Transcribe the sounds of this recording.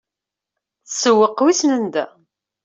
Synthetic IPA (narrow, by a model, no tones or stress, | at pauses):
θsəwːəqːwisnənd̪æ